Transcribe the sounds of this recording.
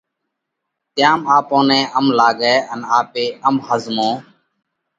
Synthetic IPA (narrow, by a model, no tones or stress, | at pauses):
t̪ɪjãːmaːpõːnẽːʔəmlaːɠɛːənaːpeːəmhəzmõː